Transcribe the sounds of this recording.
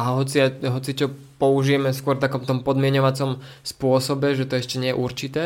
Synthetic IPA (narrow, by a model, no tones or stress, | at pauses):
aɦɔt͡siaɦɔt͡sit͡ʃɔ | pɔuʒijɛmɛskʊɔɾft̪akɔmt̪ɔmpɔd̪mɪɛɲɔʋat͡sɔmspʊɔsɔbɛʒɛt̪ɔɛʃcɛɲɪɛjɛ̰ʔuɾt͡ʃit̪ɛː